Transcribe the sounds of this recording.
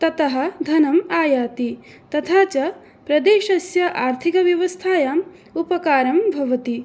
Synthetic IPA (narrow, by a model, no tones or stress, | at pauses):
t̪ɐt̪ɐɦɐ̆d̪ʱɐnɐmaːjaːt̪i | t̪ɐt̪ʰaːt͡ʃɐ | pɾɐd̪eːʃɐsjɐʔaːɾt̪ʰikɐʋjɐʋɐst̪ʰaːjaːm | upɐkaːɾɐmbʱɐʋɐt̪i